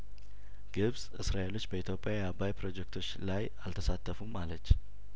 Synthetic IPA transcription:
ɡ̥ɨβzɨsɾaʔelo̞t͡ʃːbəit̪ʰjo̞pʼːjajɛabajpɾo̞d͡ʒek̚t̪ʰo̞t͡ʃːlaj | alt̪ʰəsat̪ʰːəfumːalət͡ʃː

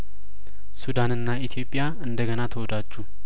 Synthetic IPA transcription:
sud̪anɨnːait̪ʰijo̞pʼːja | ɨnd̪əɡənat̪ʰəwɔd̪ad͡ʒːu

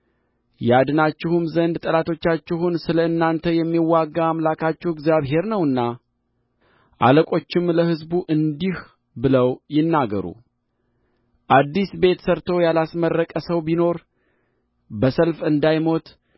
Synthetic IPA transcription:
jɛad̪ɨnat͡ʃːɪhumzənd̪t̪ʼəlat̪ʰo̞t͡ʃːat͡ʃːɪhunsɨləɨnːant̪ʰəjɛmːiwːaɡːaamlakʰat͡ʃːɛwɪɡzjaβɦe̞ɾnəwɨnːa | ʔa̰ləkʼo̞t͡ʃːɪmləhɨzbuʔɨnd̪ih | bɨləwjɪnːaɡə̰ɾṵ | ʔad̪ːisbe̞t̪səɾt̪ʰo̞jalasmərːəkʼəsəwbino̞ɾ | bəsəlfɨnd̪ajmo̞t̪

